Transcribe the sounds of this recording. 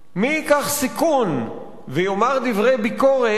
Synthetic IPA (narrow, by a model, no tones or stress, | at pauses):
miːkaχsikun | vejomaʁd̪ivʁejbiko̞ʁe